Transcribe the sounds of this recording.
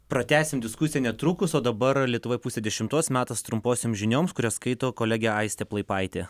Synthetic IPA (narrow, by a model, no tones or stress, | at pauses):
pɾɐt̪ʲæːsʲɪmd̪ʲɪskʊsʲɪjɛnʲɛt̪ɾuːkʊsoːd̪ɐbɐɾlʲiɛt̪ʊʋoɪpuːsʲeːd̪ʲɛʃʲɪmt̪uɔsmʲæːt̪ɐst̪ɾʊmpoːsʲemʒʲɪnʲoːmskʊɾʲɛːskɐɪt̪oːkoːlʲæːɡʲɛɐɪsʲt̪ʲɛːplˠɐɪpɐɪt̪ʲeː